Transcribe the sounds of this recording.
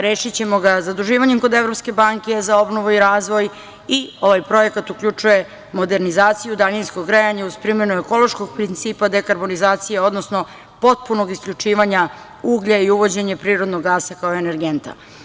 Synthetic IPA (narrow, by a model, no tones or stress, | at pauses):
ɾeːʃit͡ɕe̞mo̞ɡazad̪uʒiːʋaɲemko̞d̪e̞vɾo̞pske̞baŋkezao̞bno̞ʋuiɾaːzʋo̞j | io̞ʋajpɾo̞je̞kat̪ukʎʲut͡ʃuje̞ | mo̞d̪e̞ɾnizaːt̪sijud̪aʎinskoɡɡɾejaɲauspɾimenueko̞lˠo̞ʃko̞ɡ̚pɾint̪siːpad̪e̞kaɾbo̞nizaːt̪sijeo̞d̪nosno̞ | po̞t̪̚puno̞ɡiskʎʲut͡ʂiːʋaɲa | uːɡʎaiuʋo̞d͡ʑe̞ɲepɾiːɾod̪noɡːaːsakaoeneɾɡe̞nt̪a̰